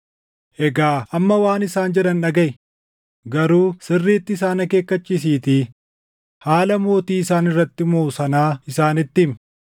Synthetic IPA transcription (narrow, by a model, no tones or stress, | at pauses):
ʔɛɡaːʔɐmːɐwaːnɪsaːnd͡ʒɛᶑɐnᶑɐɡɐʔɪ | ɡɐɾuːsɪrːeːt̪ːɪːs̬aːnɐke̞ːkːɐt͡ʃːiːs̬iːt̪i | haːlɐmo̞ːt̪iːɪsaːnɪrːɐt̪ːɪmoːsɐnaːɪsaːnɪt̪ːɪm